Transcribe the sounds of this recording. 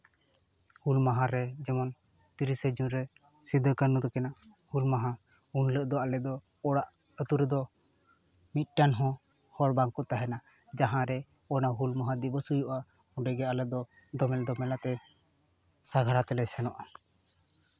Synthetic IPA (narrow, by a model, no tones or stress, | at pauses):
hulmaɦãɾɛd͡ʒɛmɔn | t̪iɾisɛd͡ʒunɾɛ | sid̪ʱəkanːud̪ɔkɛnahulmaɦã | unləʔd̪ɔalɛd̪ɔ | ɔɽaʔ | ət̪uɾɛd̪ɔ | mit̪̚ˀʈanɦɔ̃ | hɔɾbaŋkut̪aɦɛna | d͡ʒaɦãɾɛ | ɔnaɦulmaɦãd̪ibəsujuʔa | uɖɛɡɛalɛd̪ɔ | d̪ɔmɛld̪ɔmɛlat̪ɛ | saɡʱaɾat̪ɛlɛsɛnɔʔa